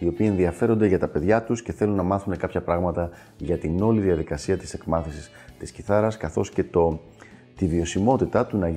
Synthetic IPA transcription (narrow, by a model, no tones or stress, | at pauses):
io̞piie̞nðiɐfe̞ɾo̞nd̪e̞ʝɐt̪ɐpe̞ðʝɐt̪usce̞θe̞lunːɐmɐθune̞kɐpçɐpɾɐɣmɐt̪ɐ | ʝɐt̪ino̞liðiɐðikɐsiɐt̪i̥se̞kmɐθisist̪isciθɐɾɐskɐθo̞sce̞t̪o | t̪ivio̞simo̞t̪it̪ɐt̪unɐ